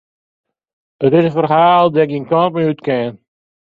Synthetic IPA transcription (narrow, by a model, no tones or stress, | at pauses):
ətɪsənfərɦaːlˠdɛɪkinkɔnt̚meytkɛn